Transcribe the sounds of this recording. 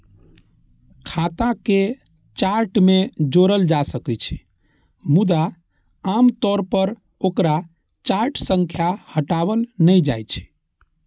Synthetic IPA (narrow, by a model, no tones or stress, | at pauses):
kʰat̪ãke | t͡ʃaɾʈmed͡ʒoɾəld͡ʒasəkɛt͡ʃʰ | mud̪a | amt̪ɔɾpəɾ | okɾa | t͡ʃaɾʈsəŋkʰjahəʈabəlnəjd͡ʒajt͡ʃʰ